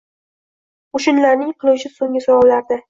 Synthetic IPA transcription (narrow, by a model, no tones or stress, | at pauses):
ʊʃʊnlaɾnɪŋqʰɨlˠuwt͡ʃʰɪsoŋʲɪsawɒblaɾd̪a